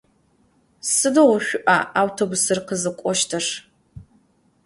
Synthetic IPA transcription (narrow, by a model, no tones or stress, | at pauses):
sɨdoʁʊɕʷʊʔa̰ʔaːwtʰobʊsɨrqəzɨkʷʼɔʃtʰɐʂ